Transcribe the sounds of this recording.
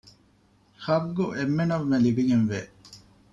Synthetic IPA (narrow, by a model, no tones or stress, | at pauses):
xɐb̚ɡoʔemːenɐʋːelibiɡenʋe